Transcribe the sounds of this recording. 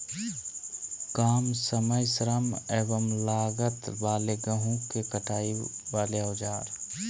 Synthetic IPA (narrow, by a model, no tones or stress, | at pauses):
kaːmsəməjsɾəmeːbəmlaːɡət̪baːleɡəɦũkekəʈʰaːiʋaːleaːd͡ʒaːɾ